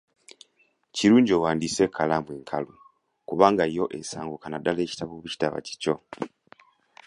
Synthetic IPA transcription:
ciɾuːɲɟoːwaːndise̞kʰːalamweːŋkʰalu | kuβaːŋɡaijo̞ʔesaːŋɡokanadale̞ːci̥taβoːβuci̥taβa̰ci̥co̞

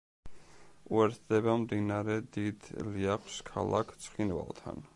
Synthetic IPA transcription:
uɛɾt̪ʰd̪ɛbamd̪inaɾɛd̪id̪liaχʰskʰa̰lˠakʰt̪sʰχinva̰lˠt̪ʰa̰n

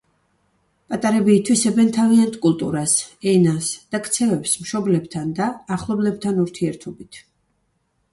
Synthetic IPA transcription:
pʼat̪ʼaɾɛbiːt̪ʰwisɛbɛnt̪ʰaviant̪ʰʼkʼulˠt̪ʼṵɾasɛnasd̪̥akʰt̪sʰɛvɛpsmʃɔblɛbt̪ʰand̪aːχlˠɔblɛb̚t̪ʰanuɾt̪ʰiɛɾt̪ʰɔbit̪ʰ

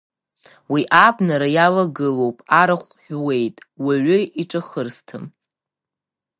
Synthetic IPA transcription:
wiʔabnaɾajalaɡɨlo̞wpʼaɾaχʷħᶣwe̞jtʼ | waʕʷʊiʈ͡ʂʼaχərstʰɨm

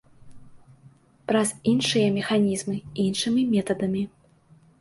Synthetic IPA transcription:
pɾɐzinʂɨjɐmʲɛxanʲizmɨinʂɨmʲimʲɛt̪ɐd̪ɐmʲi

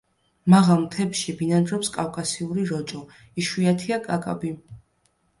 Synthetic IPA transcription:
maʁalˠmt̪ʰɛpʃibinand̪ɾɔpskʼafkʼasiuɾiɾɔt͡ʃʼɔ | iʃwiat̪ʰiakʼakʼa̰bi

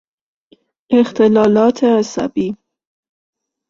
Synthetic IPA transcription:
ext̪ʰelɒːlɒːt̪ʰeæsæ̰biː

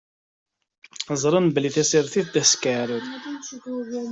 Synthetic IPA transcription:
əzˤɾˤənbliθæsiɾθiθd̪æskəʕɾˤəð

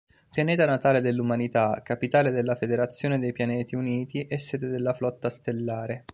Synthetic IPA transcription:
pjaneːt̪anat̪aːled̪elːumanit̪akapit̪aːled̪elːafed̪eɾat̪sːjoːned̪ejpjanɛːt̪iuniːt̪iʔɛsːɛːd̪ed̪elːaflɔt̪ːast̪elːaːɾe

